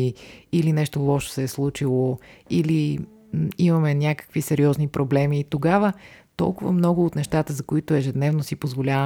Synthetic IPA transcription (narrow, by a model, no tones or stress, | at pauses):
iilinɛʃt̪olˠɔʃo̥sɛːslˠut͡ʃilˠoili | imɐmɛnʲakə̥kvisɛɾiɔznipɾʔoblɛmiːt̪oɡavət̪ɔ̰lˠkʊvə̰mnɔɡʊːt̪nɛʃt̪at̪əzɐkoit̪oɛʒɛd̪nɛvnosipozvolʲavə